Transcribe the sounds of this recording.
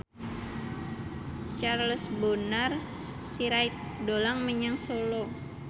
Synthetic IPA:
t͡ʃarləsbonar | siɾajt̪̚dolaŋməɲaŋsolo

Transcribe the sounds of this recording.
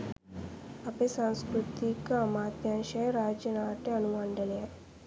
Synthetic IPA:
ɐpesanskɾut̪ikɐɐmaːt̪jaːnʃɐjɾaːd͡ʒɐnaːʈeɐnuʋɐɳɖɐljɐ

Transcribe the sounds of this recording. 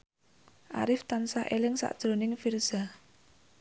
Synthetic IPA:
ʔa̰ɾɪft̪ansahʔelɪŋsa̰ʔd̥ʒ̥ɾonɪŋfirz̥a

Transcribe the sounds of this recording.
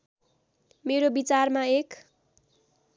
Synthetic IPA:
meɾobit͡sarmaek

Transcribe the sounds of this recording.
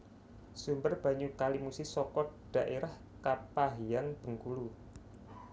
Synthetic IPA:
sumbərb̥a̤ɲukalimusɪsɔkɔɖ̥a̤ʔeɾah | kapaɦijaŋb̥ə̤ŋkulu

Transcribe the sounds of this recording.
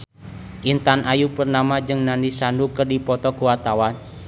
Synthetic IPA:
ʔint̪anʔajupərnamad͡ʒɨŋnanisandukərdipɔt̪ɔkuwat̪awan

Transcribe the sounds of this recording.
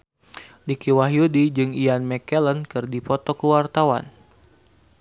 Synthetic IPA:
dikiwaɦjudid͡ʒɨŋijanmɛkɛlənkɨrdipɔt̪ɔkəwart̪awa̰n

